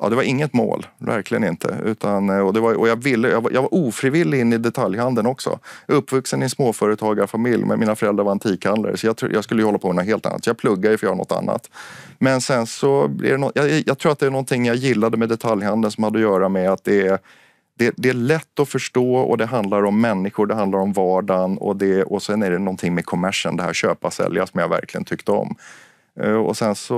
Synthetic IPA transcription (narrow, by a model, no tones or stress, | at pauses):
ʔɑ̰ːd̪ɛvaɾɪŋːət̪mo̰ːlvæ̰ɾklɪɡənɪ̰nt̪ʰə̰ʉ̟̰ːt̪ʰanɔd̪ɛvaɾʔɔjavɪlːəjava̰jʔaɡvaɾʔuːfɾivɪlːɪɡɪnːɪd̪ɛt̪ʰaljhand̪ənɔksɔ̰ʔɵpːvɵksənɪɛnsmoːfœːɾət̪ʰɑːɡaɾɔfamɪljmʔɛ̰nmiːnafœɾɛld̪ɾaɾvaant̪ʰiːkʰand̪lə̰ɾsɔjat̪ʰɾṵːjʔaskɵlːəjɵhɔlːapʰɔmɛnɔnɦeːlt̪a̰nːa̰t̪sɔjɑpʰlɵɡːad̪jəfœjːɾanɔ̰t̪ːa̰nːa̰t̪ | mɛnsɛnsɔblɪ̰ɖɛnɔjajɑːɡt̪ʰɾuːɾat̪̚ɛænɔnt̪ʰɪŋːjajɪlːad̪əmɛd̪ɛt̪ʰaljhand̪ənsɔmhad̪ːɔjœːɾamɛat̪̚d̪ɛæ | d̪̥ɛd̪ɛæɭɛt̪ːɔfœʂʈoːɔ̰d̪ɛɦand̪laɾɔmːɛnːɪɧʊɖɛɦãnd̪laɾɔmvɑːɖanɔ̰d̪ɛɔsɛnæɖɛnɔnt̪ʰɪŋmɛkʰɔmæʂə̰nd̪ɛɦæ̰ɾɕø̰ːpasɛ̰lja̰sɔmjavæ̰ɾklɪɡənt̪ʰʏkt̪əɔ̰m | ɔ̰sɛnsɔ